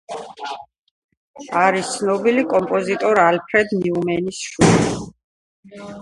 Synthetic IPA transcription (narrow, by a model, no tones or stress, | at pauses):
aɾist̪sʰnɔbilikʼɔmpʼɔzit̪ʼɔɾalpʰɾɛd̪niumɛnisʃuli